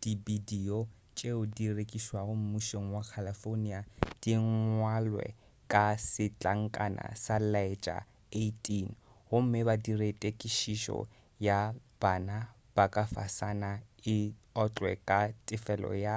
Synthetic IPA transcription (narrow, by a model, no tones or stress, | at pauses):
d̥ibidiɔ | t͡ʃʼeʊdirekʼiswaɣʊm̩muʃoŋ̩wakʰalifoniad̥iŋ̩ŋwalwɛ̰ | kʼasɪt͡ɬʼaŋ̩kʼa̰nʔa̰salaet͡ʃʼa̰ | etʼin | hʊm̩mɪbadiretʼekʼiʃiʃɔ̰ | jab̥ana | b̥akʼafasanaɪ | ɔt͡ɬʼwɛ̰kʼatʼɪfɛlɔ̰ja